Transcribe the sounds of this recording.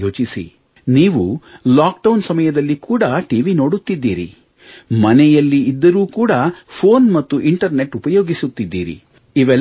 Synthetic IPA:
oːt͡ʃisḭ | niːʋulaːk̚ɖɐwnsɐmɐjɐd̪ɐlːikuːɽɐʈiʋino̞ːɽut̪ːid̪ːḭːɾḭ | mɐnɛjɐlːiːd̪ːɐɾuːkuːɽɐpʰoːnmɐt̪ːuʔiɳʈɐɾne̞ʈupɐjoːɡisut̪ːid̪ːḭːɾḭ | iʋɛl

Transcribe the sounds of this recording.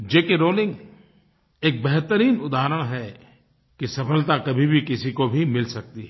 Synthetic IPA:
d͡ʒeːkeɾoːlɪ̃ŋɡ | eːk̚bɛɦt̪əɾiːnʊd̪aːəɾəɽ̃ɦɛ | kisɐfəlt̪akɐbʱibʱikɪsikobʱimɪlsɐk̚t̪iɦɛː

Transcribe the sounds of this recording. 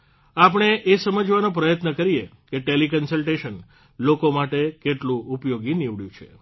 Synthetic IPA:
ap̬əɳ̃eʔesəməd͡ʒʋanõp̬ɾəjət̪nəkəɾijekeʈelikənsəlʈeʃən | lokomaʈekeʈlũʔupjoɡiniʋɽjṵ̃t͡ʃʰḛ

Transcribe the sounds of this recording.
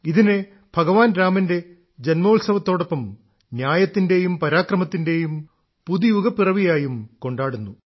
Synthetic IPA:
iðine | bʱɐɡɐʋaːnɾaːmɐnde̞ | d͡ʑenmoːlsɐʋɐt̪ːo̞ːɽo̞pːɐm | njaːjɐt̪ːinde̞jumpɐɾaːkrɐmɐt̪ːinde̞jum | puðijuɡɐpirɐʋijaːjumko̞ɳɖaːɽunːu

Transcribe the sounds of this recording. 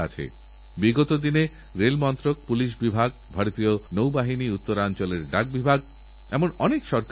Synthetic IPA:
at͡ɕʰḛ | biɡot̪od̪ine | ɾelmɔnt̪ɾok̚puliʃ̬bibʱaɡbʱaɾot̪ionowbaɦiniut̪ːoɾant͡ɕoleɾɖak̚bibʱaɡ | ɛmonɔnekʃɔɾk

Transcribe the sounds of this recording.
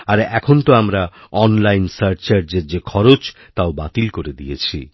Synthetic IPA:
aɾɛkʰont̪oamɾaɔnlajnsaɾʈt͡ɕaɾd͡ʑeɾd͡ʑekʰɔɾot͡ɕ | t̪aobat̪ilkoɾed̪ijḛt͡ɕʰḭ

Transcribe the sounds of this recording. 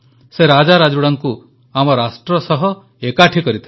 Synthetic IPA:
seɾad͡ʒaɾad͡ʒuɽaŋku | amɔɾasʈɾɔsɔɦɔ | ekaʈʰikɔɾit̪ʰi

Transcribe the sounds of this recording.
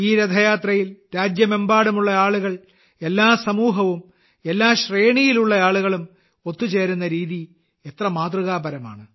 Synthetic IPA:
iːɾɐd̪ʱɐjaːt̪rɐjilɾaːd͡ʑjɐme̞mbaːɽumuɭːɐaːɭuɣɐɭ | e̞lːaːsɐmuːɦɐʋum | e̞lːaːɕreːɳijiluɭːɐaːɭuɣɐɭum | o̞t̪ːut͡ɕe̞ːɾunːɐɾiːði | e̞t̪rɐmaːd̪ruɣaːbɐɾɐma̰ːɳɨ

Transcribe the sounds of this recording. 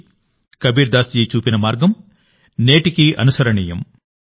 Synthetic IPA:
kɐbiːɾd̪aːsd͡ʒiːt͡ʃuːpinɐmaːɾɡɐm | neːʈikiʔɐ̰nusɐɾɐɳiːjɐm

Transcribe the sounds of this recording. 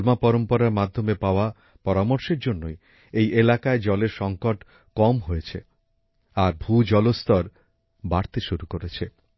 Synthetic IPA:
lmapɔɾompɔɾaɾmad̪ʱomepaoa | pɔɾamoɾʃeɾd͡ʑonːoj | ejʔelakaed͡ʑɔleɾʃɔŋkoʈ | kɔmɦojet͡ɕʰḛ | aɾbʱud͡ʑɔlost̪ɔɾ | baɽt̪eʃuɾukoɾet͡ɕʰe

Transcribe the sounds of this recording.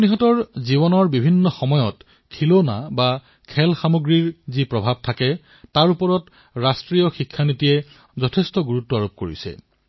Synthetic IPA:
niɦɔtɔɹziβɔnɔɹbibʱinːɔxɔmɔjɔt | kʰilonaba | kʰɛlxamoɡɹiɹzipɹɔbʱab̚tʰakɛ | taɹupɔɹɔt | ɹastɹijɔxikʰːanitiɛ | zɔtʰɛstɔɡuɹutːɔaɹop̚koɹḭsɛ̰

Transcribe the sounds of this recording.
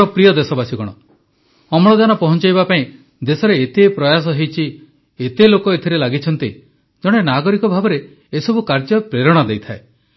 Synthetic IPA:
ɔpɾijɔd̪esɔbasiɡɔɽ̃ɔ | ɔmɔɭɔd̪anɔpɔɦɔnt͡ʃajbapaĩ | d̪esɔɾeːt̪epɾɔjas̬ɔɦejt͡ʃʰi | et̪elokɔet̪ʰiɾelaɡit͡ʃʰɔnt̪i | d͡ʒɔɽ̃enaɡɔɾikɔbʱabɔɾeː | sɔbukaɾd͡ʒɔpɾeɾɔɽ̃ɔd̪ejt̪ʰae

